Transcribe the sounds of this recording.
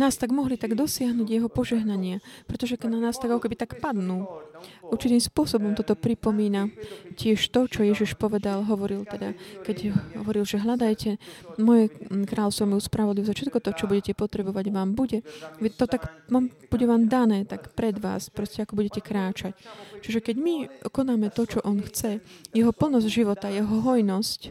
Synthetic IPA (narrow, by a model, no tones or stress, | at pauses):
naːst̪aɡmɔɦlit̪aɡd̪ɔsɪaɦnuːɟjɛɦɔpɔʒɛɦnaɲɪapɾɛt̪ɔʒɛkɛnanaːst̪aɡakɔkɛbit̪akpad̪nuːuɾt͡ʃit̪iːmspʊɔsɔbɔmt̪ɔt̪ɔpɾipɔmiːnacɪɛʃt̪ɔt͡ʃɔjɛʒiʃpɔʋɛd̪alɦɔʋɔɾilt̪ɛd̪a̰kɛɟɦɦɔ̰ʋɔɾilʒɛɦlad̪ajcɛmɔjɛkɾaːlɔst̪ɔmjuspɾaʋɔd̪liʋɔzafʃɛt̪kɔt̪ɔt͡ʃɔbuɟɛcɛpɔt̪ɾɛbɔʋaɟʋaːmbuɟɛʋit̪ɔt̪akaːmb̥uɟɛʋaːmd̪anɛːt̪akpɾɛd̪ʋa̰ːspɾɔscɛakɔbuɟɛcɛkɾaːt͡ʃact͡ʃiʒɛkɛɟmikɔnaːmɛt̪ɔt͡ʃɔʔɔnxt͡sɛjɛɦɔpl̩nɔzɟʒiʋɔt̪ajɛɦɔɦɔjnɔsc